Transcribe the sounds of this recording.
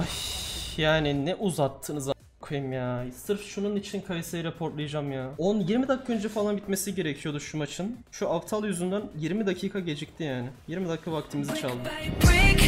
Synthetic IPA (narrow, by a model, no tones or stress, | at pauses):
ajjaːnɪnɛʔuzat̪ʰːɯnɯz | kʰajɯmjaːsɯɾfʃununit͡ʃʰinkʰajɯsajiɾepʰo̞ɾt̪lˠajad͡ʒamjaonunjiɾmid̪akʰːaønd͡ʒɛfalˠanbit̪me̞siɟe̞ɾecʰijo̞d̪uʃumat͡ʃʰɯnʃuʔaft̪ʰalˠjyzynd̪ænjiɾmid̪acʰiːkʰaɟe̞d͡ʒɛc̚t̪ʰijaːnɪjiɾmid̪ackʰːavak̚t̪ʰimizit͡ʃʰalˠd̪ɯ